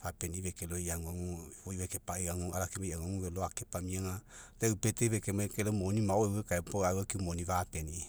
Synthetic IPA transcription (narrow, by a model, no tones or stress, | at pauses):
apeniβekeloiaŋuaŋuoiβekepaeaŋuaɾakemaiaŋuaŋuβeloakepamiaŋaleupeteβekemakelomonimaoewekaepoawakiumoniβapeni